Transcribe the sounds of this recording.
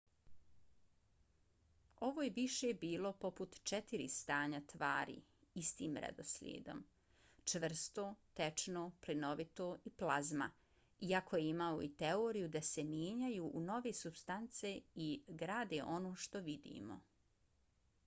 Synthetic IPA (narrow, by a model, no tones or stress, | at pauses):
o̞ʋoːjeʋiʃebiːlo̞po̞put̪t͡ʃet̪iɾḭst̪aːɲat̪ʋaːɾḭist̪iːmɾḛd̪o̞̰slʲjḛːd̪o̞̰m | t͡ʃʋr̩st̪oːt̪et͡ʃnoːplino̞ʋit̪oːiplˠazma̰ | iako̞jeimaoit̪eoːɾijud̪ase̞mjeːɲajuʔːno̞ʋesubst̪ant̪se̞iɡɾaːd̪eʔonoːʃt̪o̞ʋid̪ḭːmo̞̰